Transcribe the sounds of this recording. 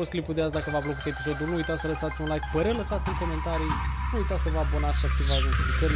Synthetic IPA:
ost̪klipud̪easd̪akəvablokut̪e̞piso̞d̪ulnuujt̪at̪sələsat̪sʲunlajkpəɾələsat̪sʲiŋkome̞nt̪aɾinuujt̪at̪səvəabonat̪sʃiak̚t̪izaʒunt̪ilikəɾ

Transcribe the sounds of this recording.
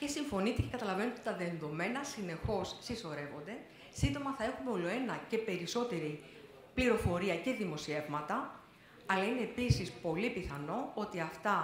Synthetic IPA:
ce̞siɱfo̞nit̪ece̞kɐt̪ɐlɐve̞not̪t̪t̪ɐðenðo̞me̞nɐsine̞xo̞sːiso̞ɾe̞vo̞nd̪e̞ | sind̪o̞mɐθɐe̞xumeo̞lo̞e̞nɐce̞pe̞ɾiso̞t̪e̞ɾi | pliɾo̞fo̞ɾiɐce̞ðimo̞sie̞vmɐt̪ɐ | ɐlɐine̞ːpisispo̞lipiθɐno̞ot̪iɐft̪ɐ

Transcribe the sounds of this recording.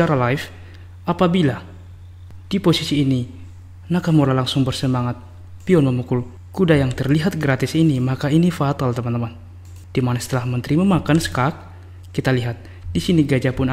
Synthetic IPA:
aɾalaif | ʔapabila | d̥ipɔsisiːni | nakamɔlalaŋsʊŋbərsəmaŋat̪̚ | piɔnməmukʊl | kudajaŋt̪ərliɦat̪̚ɡɾat̪ɪsinimakainifat̪alt̪əmant̪əman | d̥imanasə̥t̪əlahmənt̪əɾimamakansə̥kak̚ː | it̪aliɦat̪̚ | disiniɡad͡ʒapʊn

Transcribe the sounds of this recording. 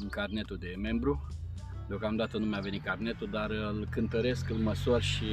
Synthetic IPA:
ɨŋkarne̞t̪ud̪e̞me̞mbɾu | d̪eo̞kamd̪at̪ənumjave̞nit̪̚karne̞t̪ud̪arɨlkɨnt̪əɾe̞skɨlməsurʃi

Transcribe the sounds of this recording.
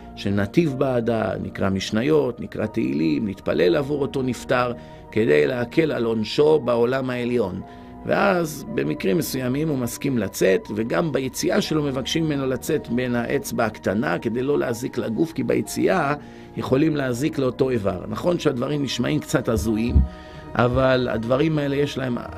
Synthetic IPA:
ʃenat̪ivbaːda̰nḭkʁa̰miʃnajo̞tnikʁa̰t̪eḭlimlit̪pa̰lʔe̞lavuʁo̞to̞niftaʁ | ke̞d̪e̞jleakʰe̞la̰lo̞nʃo̞bao̞lamae̞ljo̞n | vḛʔazbe̞mikʁimːesujamimumaskimlat͡se̞t̪ve̞ɡambajet͡siaʃe̞lo̞me̞vakʃimimenolat͡se̞t̪be̞nhaʔe̞t͡sbeakt̪anake̞d̪e̞jlo̞leːziklaɡufkiba̰jet͡sḭʔa | jeχo̞limleazikleo̞to̞e̞va̰ʁnaχo̞nʃead̪vaʁimniʃmaʔimkt͡sat̪azuim | ʔa̰vala̰d̪vaʁimae̞le̞jeʃlae̞m̰

